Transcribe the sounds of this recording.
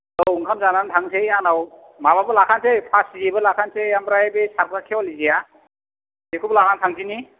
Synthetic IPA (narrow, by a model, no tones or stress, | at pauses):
lowuŋkʰamzanantʰaŋsejanaw | mababɯlakʰansejpʰasizebɯlakʰansejambɾajbesʰaɾkɾakʰewɔlizija | dekʰublakantʰaŋzini